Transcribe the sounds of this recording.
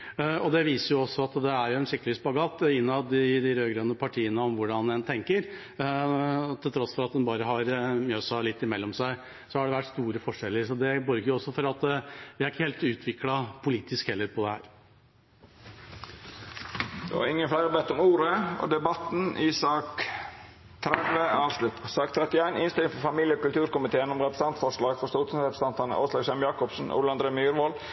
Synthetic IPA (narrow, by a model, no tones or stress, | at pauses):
ɔd̪ɛʋiːsəɾjʊɔsːɔɑt̪d̪ɛæɾjʊɛnʂɪkt̪lʋiːsbɑɡɑːt̪ːɪnːɑd̪ɪd̪ɪɾøːɡɾønəpʰɑʈʰiːənəɔmʋʊɖɑnɛnt̪ʰɛŋkəɾ | t̪ʰɪlt̪ʰɾɔsːfɔɾɑt̪̚d̪ɛnbɑːɾəɦɑɾmjøːsɑlɪt̪ːɪmɛlːɔmsæɪ | sɔhɑɖɛʋæʈːst̪uːɾəfɔʂɛlːəɾsɔd̪ɛbɔɾɡəjʊɔsːɔfɔɾɑt̪ʋɪæɾɪkːəheːlt̪ʉːt̪ʰʋɪklɑpʰʊliːt̪ɪskhɛlːəɾpʰɔd̪ɛhæ̰ːɾ | d̪ɛ̰ʋɑ̰ɾɪŋːənflæɪɾəbɛt̪ːɔmuːɾəo̰ːd̪ɛbɑt̪n̩ʔiːsɑːk | t̪ʰɾɛd̪ʋəɑːʋʂlʉt̪sɑːkt̪ʰɾɛt̪ɪæɪnɪnst̪ɪlŋfɔɾfɑmiːljəɔkʉlt̪ʉːɾkʊmɪt̪ʰeːənɔmɾɛpɾəsɑnt̪fɔʂlɑːɡfɔst̪oːt̪ʰʉsɾɛpɾəsɑnt̪ɑnə̰ʔo̰ːʂlɑːɡsɛmjɑːkɔpsn̩ʔṵːləɑnd̪ɾeːmyːɾʋɔl